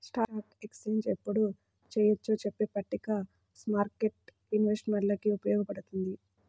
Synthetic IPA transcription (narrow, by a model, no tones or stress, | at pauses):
sʈaːɾaːʈekst͡ʃeːnd͡ʒepːuɽu | t͡ʃɛːjɐt͡ʃːoːt͡ʃepːeːpːɐʈːika | smaːɾkeʈ | inʋesʈmɐɳʈlɐkiupɐjɔːɡɐpɐɽut̪und̪i